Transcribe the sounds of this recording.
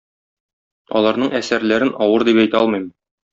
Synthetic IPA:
ɒ̰lˠɑɾnɤɴæsæɾlæɾɘnʔɒwɤɾd̪ipæjt̪ɒlˠmɤ̆jmɤ

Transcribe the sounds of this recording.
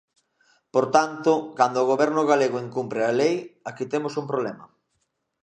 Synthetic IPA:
poɾt̪ant̪ʊkand̪oːɣ̞oβɛɾnʊɣaleɣoeŋkumpɾealejakit̪emosumpɾoβlɛmɐ

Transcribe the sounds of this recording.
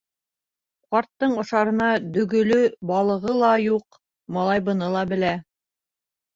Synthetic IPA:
qɑɾt̪ːɤɴŏʃɑɾɤ̆nɑd̪ɵ̆ɡɵ̆lɵbɑlˠɤ̆ʁɤlˠɑjuq | mɑlˠɑjbɤ̆nɤlˠɑbɘ̆læ

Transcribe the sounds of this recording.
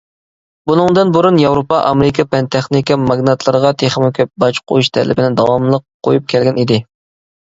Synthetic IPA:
bunɨŋd̪ɨnbuɾunjɑwɾopɑʔɑmɾɪkʰɑpɛnt̪ʰɛχnɪkʲimɑɡnɑt̪ʰlˠəɾəʁɑt̪ʰeχmɪkʲʰøbɑt͡ʃqʰo̰juʃt̪ʰɛ̰lʔɪ̰bɪnɪd̪ɑwɑmlˠəqʰːojup̚kʲʰɛlɡʲɛnid̪ɪ

